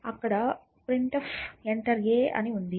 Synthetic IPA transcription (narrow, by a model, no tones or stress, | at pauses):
ɐkːɐɽɐ | pɾiɳʈɐfeɳʈɐɾɡeːʔɐ̰niund̪i